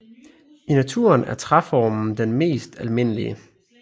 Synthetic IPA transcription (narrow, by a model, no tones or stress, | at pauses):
inæt͡sʰuːɐnæɐt͡sʰʁafɒːmn̩d̥enme̝̰ːsd̥ælme̝n̰əlḭə